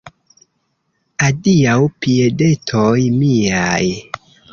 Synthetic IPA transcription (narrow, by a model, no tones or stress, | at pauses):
adiawpiede̞tʰojmiaj